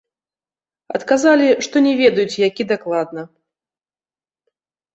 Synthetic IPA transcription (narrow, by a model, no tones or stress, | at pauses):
ɐ̰t̪kazalʲiʂt̪ɔnʲɛvʲɛd̪ɐjut͡sʲjakʲid̪aklˠad̪nɐ